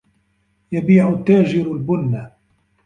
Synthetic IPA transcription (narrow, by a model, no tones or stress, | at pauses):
jabiːʕʊt̪ːaːd͡ʒɪɾalbʊnːa